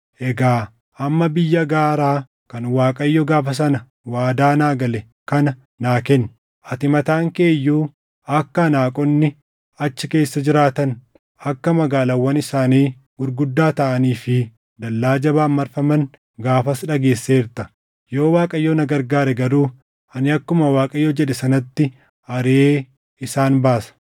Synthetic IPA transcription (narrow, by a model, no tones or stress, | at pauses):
ʔɛɡaː | ʔɐmːɐbɪjːɐɡaːɾaː | kɐnwaːkʼɐjːɔɡaːfɐs̬ɐnɐ | waːd̪aːnaːɡɐlɛ | kɐnɐ | naːkɛn | ʔɐt̪ɪmɐt̪aːŋke̞ːjːuː | ɐkːɐnaːkʼɔnːɪ | ɐt͡ʃːɪke̞ːsːɐd͡ʒɪɾaːt̪ɐn | ɐkːɐmɐɡaːlɐwːɐnɪsaːniː | ɡʊɾɡʊd̪ːaːt̪ɐʔɐniːfɪ | d̪ɐlːaːd͡ʒɐbaːmːɐɾfɐmɐn | ɡaːfɐsᶑɐɡe̞ːsːeːɪɾt̪ɐ | joːwaːkʼɐjːoːnɐɡɐɾɡaːɾɛɡɐɾuː | ʔɐnɪɐkːʊmɐwaːkʼɐjːo̞ːd͡ʒɛᶑɛsɐnɐt̪ːɪ | ɐɾeeː | ɪsaːnbaːsɐ̥